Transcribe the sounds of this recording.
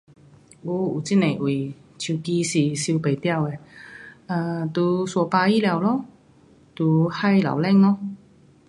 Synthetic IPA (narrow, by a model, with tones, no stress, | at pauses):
u˧˦u˨˩t͡ɕi˧˥˩nẽ˨˩ʔwi˨˩t͡ɕʰu˨˧˩ki˧ɕi˨˩ɕi˧pe˨˩t̪ja˥˧˨we˧˩ | ə˧˩t̪u˨˧swɔ˨˩pa˧i˥lja˧˩˨wlɔ˥˧˦ | t̪u˨˧˩ha˥˧jla̰˨˩wlɛ˥˧ŋlɔ˥˧